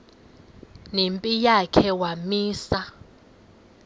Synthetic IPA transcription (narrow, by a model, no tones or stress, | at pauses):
nempʼijakʰɛwamiːsa